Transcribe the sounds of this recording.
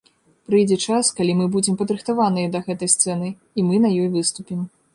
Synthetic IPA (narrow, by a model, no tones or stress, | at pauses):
pɾɨjd͡zʲɛt͡ʂaskalʲimɨbud͡zʲɛmpɐd̪ɾɨxt̪avanɨjɛd̪ɐɣɛt̪ɐjst̪sɛnɨ | imɨnɐjɔjvɨst̪upʲim